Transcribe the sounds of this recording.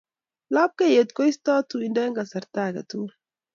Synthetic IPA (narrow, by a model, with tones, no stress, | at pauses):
la˦p̚ka˦je˨t̪ko˦ist̪ɔː˦t̪uindɛ˦ŋɡa˨sɐ˨ɾt̪aː˦ɡɐ̰˨t̪u˦ɾ